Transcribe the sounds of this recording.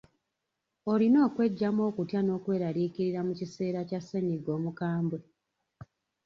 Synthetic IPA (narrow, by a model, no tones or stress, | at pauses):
o̞lino̞ːkwe̞ɟːamo̞ːkutjano̞ːkwe̞ːɾaɾiːkiɾiɾamucise̞ːɾacasːe̞ɲiɡo̞ːmukaːmbwe